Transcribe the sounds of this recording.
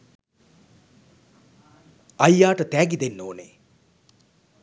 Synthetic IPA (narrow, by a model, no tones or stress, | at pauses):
ɐjːaːʈət̪æːɡid̪enːoːnḛ